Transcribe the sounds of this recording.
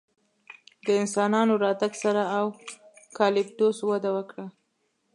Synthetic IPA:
d̪əɪnsɑnɑnoɾɑt̪aɡsaɾaawkɑlɪb̚ɖoswad̪awəkɽa

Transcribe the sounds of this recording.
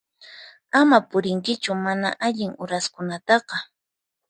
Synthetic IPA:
amapʊɾɪŋkɪt͡ʃʊmana̰ʔaʎɪŋʊɾaskʊnat̪ɑqɑ

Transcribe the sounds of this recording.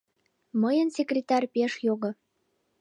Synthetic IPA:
məjənsʲekrʲet̪ɑrʲpeʃjoɣŏ

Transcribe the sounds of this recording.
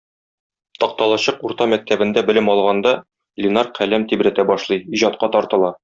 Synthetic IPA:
t̪ɒq̚t̪ɑlˠɑɕɤquɾt̪ɑmæk̚t̪æbɘ̆nd̪æbɘ̆lɘmɒlˠʁɑnd̪ɑ | lʲɪnɑrqʰælæmt̪ibɾæt̪æbɒʃlˠɤjiʑɑt̪̚qɑt̪ɒɾt̪ɤ̆lˠɑ

